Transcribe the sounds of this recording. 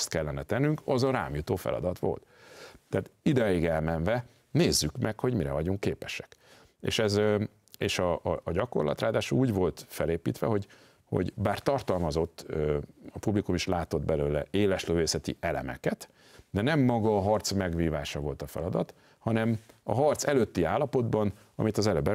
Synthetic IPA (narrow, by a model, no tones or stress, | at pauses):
st̪kɛlːɛnɛt̪ɛnːyŋkɒzɒɾa̰ːmjut̪oːfɛ̰lɒ̰d̪ɒt̪ʋo̞̰lt̪ːɛaːt̪id̪ɛjiɡɛlmɛnvɛ | neːzːykmʔɛkho̞ɟmiɾɛvɒɟuŋkːeːpɛʃɛ̥k | ḛːʃɛz | eːʃɒʔːɟɒko̞̰rlɒ̰t̪raːd̪aːʃuuːɟvo̞lt̪fɛleːpiːt̪ʋɛ̰ɦo̞ɟ | ho̰ɟbaːrt̪ɒrt̪ɒlmɒzo̞t̪ːɒpublikumiʃlaːt̪o̞d̪bɛløːlɛeːlɛʃløːveːsɛt̪ḭʔɛlɛ̰mɛ̰kɛt̪ | d̪ɛnɛmːɒɡɒːɦɒrt̪smɛɡviːvaːʃɒvo̞lt̪ɒfɛ̰lɒd̪ɒt̪ | hɒnɛmɒɦɒrt̪sɛløːt̪ːiaːlːɒpo̞d̪bɒn | ɒ̰mit̪ɒzɛløbɛ